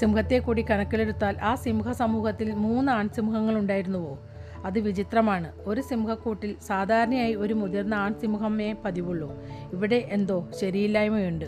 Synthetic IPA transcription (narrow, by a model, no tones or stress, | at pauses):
simuhɐt̪ːe̞kːuːɽikɐɳɐkːiɭe̞ɽut̪ːaːlʔaːsimuɦɐsɐmuːhɐt̪ːilmuːnːɨaːɳsimuɦɐŋːɐɭuɳɖaːjiɾunːuʋo̞ː | ɐðɨʋit͡ɕit̪rɐmaːɳɨo̞ɾusimuhɐkːuːʈːilsaːd̪ʱaːɾɐɳɐjaːjio̞ɾumud̪ɐrnɐaːɳsimuɦɐmeːpɐðiʋuɭːoː | iʋiɽe̞ʔend̪o̞ːɕɐɾijilːaːjɐmojuɳɖɨ